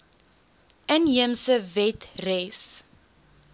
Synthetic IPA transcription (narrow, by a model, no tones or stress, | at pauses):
ʔəniəmsəvɛtrɛs